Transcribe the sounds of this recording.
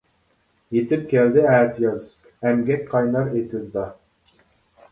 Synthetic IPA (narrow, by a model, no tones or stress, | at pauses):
jet̪ʰɪp̚kʲʰɛld̪ɪæːt̪jɑz | ɛmɡʲɛk̚ʲqʰɑjnɑɾet̪ʰɪzd̪ɑ